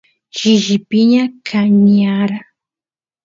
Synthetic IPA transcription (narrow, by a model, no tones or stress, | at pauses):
ʃɪʒɪpɪɲakʰaɲaɾa